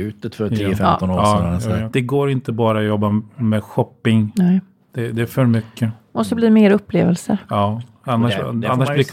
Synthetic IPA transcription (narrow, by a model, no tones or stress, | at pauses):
ʉ̟ːt̪ət̪fœɾʰiːəfɛt̪ɔnoːɑsd̪̥ɛɡoːɾɪnt̪əbɑːɾaɔjɔbːamɛɧɔpːɪŋ | d̪̥ɛd̪ɛːɾfœɾmʏkːəmɔst̪ɔbliːmeːɾɵpːlḛːvəlsəɑː | anːaʂanːaʂblɪ